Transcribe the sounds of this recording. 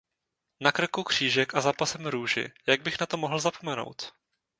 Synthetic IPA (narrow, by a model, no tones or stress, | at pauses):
nakr̩kukr̝̥iːʒɛkʔazaːpasɛmɾuːʒɪ̰jaɡ̚bɪxnat̪omo̞ɦl̩zapo̞mɛno̞̰wt̪